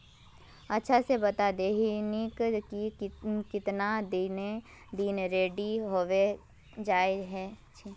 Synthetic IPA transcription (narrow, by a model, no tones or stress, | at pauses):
ɐtːʃʰasebɐt̪ad̪eːɦnikikɪt̪nad̪ine | d̪inɾeːɖiɦoːʋe | d͡ʒaːeɦɛ̃t͡ʃʰi